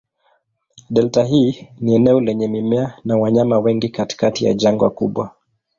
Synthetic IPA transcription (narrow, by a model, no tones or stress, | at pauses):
ɗɛltaɦiːniɛnɛɔlɛɲɛmimɛanawaɲamawɛŋɡikati̥katija̰ʄaŋɡwa̰kuɓwa